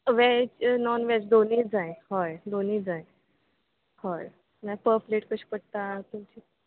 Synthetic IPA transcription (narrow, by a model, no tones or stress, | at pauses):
ʋɛt͡ɕnɔnʋɛt͡ɕd̪oniːd͡zãjhɔjd̪oniːd͡zãj | hɔj | najpəɾpleʈkəɕi̥pəɽt̪at̪umt͡ɕi